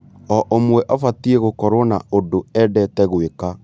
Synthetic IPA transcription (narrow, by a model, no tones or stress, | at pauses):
ɔʔomwɛʔɔfatieɣokɔɾwɔnaodoɛdɛtɛɣweka